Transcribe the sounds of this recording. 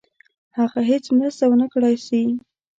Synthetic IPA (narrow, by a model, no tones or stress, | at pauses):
haɣaɦet͡smɾast̪awənakɽajsi